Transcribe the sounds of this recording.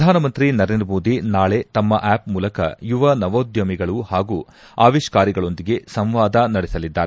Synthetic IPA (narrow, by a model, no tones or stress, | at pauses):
d̪ʱaːnɐmɐnt̪ɾinɐɾend̪ɾɐmoːd̪inaːɭe̞t̪ɐmːɐʔɛːpmuːlɐkɐ̰juʋɐnɐʋoːd̪jɐmiɡɐɭuhaːɡuː | a̰ːʋiʃkaːɾiɡɐɭo̞nd̪iɡe̞sɐmʋaːd̪ɐnɐɽɛsɐlid̪ːaːɾe